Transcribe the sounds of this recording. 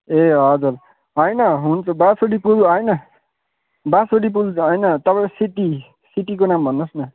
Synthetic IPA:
eɦʌd͡zur | ɦʌjnʌɦunt͡sʰʌbasoɽipulɦʌjnʌ | basoɽip̬ulɦʌjnʌt̪ʌpaesiʈi | siʈikonambʱʌnːosnʌ

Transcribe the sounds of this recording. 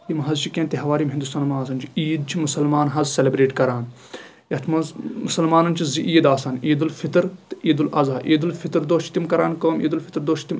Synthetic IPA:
imɦɐzt͡ʃʰikẽnt̪iɦɐʋaːɾimɦind̪ust̪aːnmaːs̬ɐnt͡ʃʰi̥iːd̪̚t͡ʃʰimusɐlmaːnɦɐzselebɾeːʈkɐɾaːn | jɐt̪ʰmɐzmusɐlmaːnɐnt͡ʃʰiziʔiːd̪aːsɐːniːd̪ulfit̪ɾt̪iːd̪ulɐzaːʔiːd̪ulfʰit̪ɾd̪oːt͡ʃʰit̪imkɐɾaːnkoːmḭːd̪ulfʰi̥t̪ɾd̪oːt͡ʃʰt̪im

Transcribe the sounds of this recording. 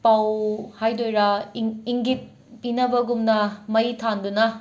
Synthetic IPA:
pawhajdojɾɐiŋɡit̚ | pinɐbɐɡumnɐmɐjtʰandunɐ

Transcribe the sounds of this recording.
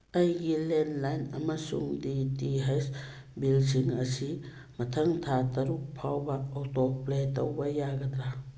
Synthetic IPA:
ɐjɡilenlajnɐmɐsṵŋditiɦajs | bilsiŋɐsi | mɐtʰɐŋtʰatɐɾuk̚pʰawbɐːwtɔpletɐwbɐjaɡɐd̪ɾa

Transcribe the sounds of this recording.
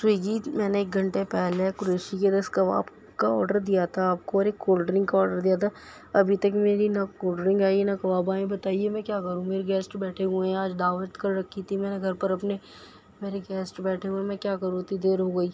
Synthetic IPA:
swiːɡimɛ̃ːneːk̚ɡʱɐ̃ɳʈepɛːlekʊɾeːʃiked̪ɐskɐʋa̰ːb | kaɔːɾɖəɾd̪ijat̪ʰaaːp̚koɔːɾeːkːoːlɖəɾɪ̃ŋɡkaɔːɾɖəɾd̪ijat̪ʰa | ɐbʱit̪ɐkmeːɾinɐkoːlɖəɾɪ̃ŋɡaːienakɐʋaːbaːẽbɐt̪aːiemɛ̃kjaːkɐɾũmeːɾeɡɛːsʈbɛːʈʰeɦuẽaːd͡ʒd̪aːʋət̪kɐɾɾɐkʰːit̪ʰimɛ̃ːneɡʱɐɾpɐɾɐpne | meːɾeɡɛːsʈbɛːʈʰeɦũẽmɛ̃kjaːkɐɾũt̪id̪eːɾɦoɡɐiː

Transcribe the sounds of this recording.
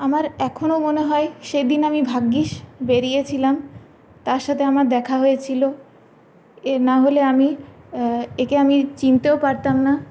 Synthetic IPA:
amaɾɛkʰonomoneɦɔeʃejd̪inamibʱaɡːiʃbeɾijet͡ɕʰilam | t̪aɾʃat̪ʰeamaɾd̪ɛkʰaɦojet͡ɕʰilo | naɦoleami | ekeamit͡ɕint̪eopaɾt̪amna

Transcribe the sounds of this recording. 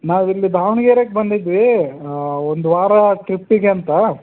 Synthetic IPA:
naːʋilːid̪ʱaːʋɳɐɡeːɾekebɐnd̪id̪ʋi | ond̪uʋaːɾɐʈɾipːiɡeɐnt̪ɐ

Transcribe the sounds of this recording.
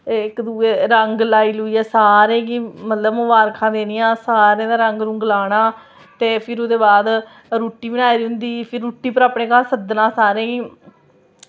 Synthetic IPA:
ɪkd̪uːeːɾəŋɡlaːiːlʊiːɛːsaːɾẽːɡiːmət̪ləbmʊbaːɾkʰãːd̪eːnɪjãːsaːɾjãːd̪aːɾəŋɡɾʊ̃ŋɡlaːɽaː | t̪eːpʰɪɾod̪eːbaːd̪ | ɾuːʈːiːbɪnaːiɾɦʊ̃nd̪iːpʰɪɾːuːʈːiːpəɾaːpɳẽːkaːsəd̪nãːsaːɾẽːɡiː

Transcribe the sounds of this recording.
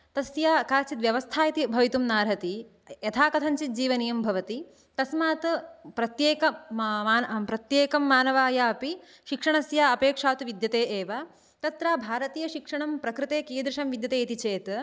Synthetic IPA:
t̪ɐsjaːkaːt͡ʃit̪ʋjɐʋɐst̪ʰaːjit̪ibʱɐʋit̪umnaːɾɦɐt̪i | jɐt̪ʰaːkɐt̪ʰɐɲt͡ʃit̪̚d͡ʒiːʋɐnijɐmbʱɐʋɐt̪i | t̪ɐsmaːt̪pɾɐt̪jeːkɐaːnpɾɐt̪jeːkɐmːaːnɐʋaːjaːɐpi | ʃikʂɐɳɐsjaːɐpeːkʂaːt̪uʋid̪jɐt̪eːʔeːʋa | t̪ɐt̪ɾaːbʱaːɾɐt̪iːjɐʃikʂɐɳɐmpɾɐkɾɨt̪eːkeːd̪ɾiʂɐmʋid̪jɐt̪eːit̪it͡ʃeːt̪

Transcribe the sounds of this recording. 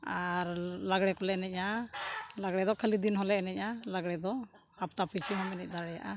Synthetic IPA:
aɾlaɡɽɛkɔlɛnɛc̚ˀa | laɡɽɛd̪ɔkʰəlid̪inɦɔlɛnɛc̚alaɡɽɛd̪ɔ | ap̚t̪apʰit͡ʃʰiɦɔmɛnɛc̚d̪aɽɛja̰ʔa

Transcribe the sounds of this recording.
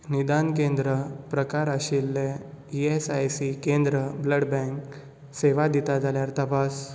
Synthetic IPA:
nid̪ankẽnd̪ɾəpɾəkaɾəɕilːe | iesajsikẽnd̪ɾəbləɽbɛ̃ŋk | seʋad̪it̪ad͡zaljaɾt̪əpas

